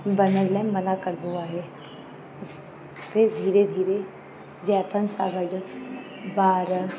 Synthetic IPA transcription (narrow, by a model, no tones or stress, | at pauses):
bəɾnəɾlɛ̃mmənakəɾb̪uaɦɛː | p̪ɪɾd̪ʱiːɾed̪ʱiːɾe | d͡ʒɛːpʰənsaːɡəɖ | baːɾ